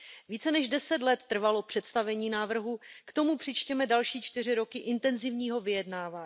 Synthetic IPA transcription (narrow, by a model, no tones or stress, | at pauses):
viːt͡sɛnɛʒdɛsɛt̪lɛt̪ːr̩valo̞pr̥ɛt̪st̪avɛɲiːnaːvr̩ɦukt̪o̞mupr̥ɪt͡ʃcɛmɛdalʃiːt͡ʃt̪ɪrɪɾo̞kɪʔɪnt̪ɛnzɪvɲiːɦo̞vɪjɛdnaːvaː